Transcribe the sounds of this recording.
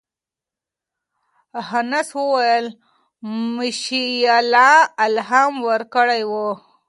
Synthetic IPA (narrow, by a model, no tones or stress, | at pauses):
hanaswəwajəl | mɪʃijalɑalɦamwəɾkəɽajwo